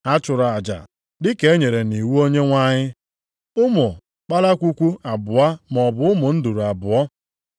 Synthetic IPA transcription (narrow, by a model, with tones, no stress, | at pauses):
a˦t͡ʃʊ˨ɾa˨a˨d͡ʒa̰˨ | dɪ˦ke˨˦ɲe˨ɾe˨ni˨wu˦o˦ɲe˦ŋʷa˦ɲɪ˦ | ʊ˦mʊ˨ | k͡pa˦la˦kʷu˦kʷu˦a˨bʊ˨a˦mɔ˨bʊ˨ʊ˦mʊ˨n̩˦du˨ɾu˨a˨bʊ˨ɔ˦